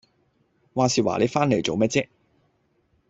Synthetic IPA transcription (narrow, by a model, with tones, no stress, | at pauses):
waː˨˧siː˨wa̰ː˨˩le˨˧˥faː˥nle˨˩jt͡so˨wmɛː˥t̚t͡sɛ˥k̚